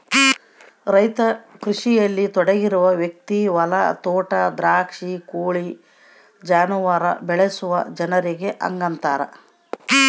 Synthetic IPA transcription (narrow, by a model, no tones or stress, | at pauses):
ɾɐjt̪ɐkɾuʂijɐlːit̪ɔɽɐɡiɾuʋɐʋjek̚t̪iʋɐlɐ̰t̪ɔːʈɐd̪ɾaːkʂikuːɭi | d͡ʒaːnuʋaɾɐ̰bɛɭesuʋɐd͡ʒɐnɐɾiɡe̞ʔɐ̰ŋɡɐnt̪aːɾɐ̰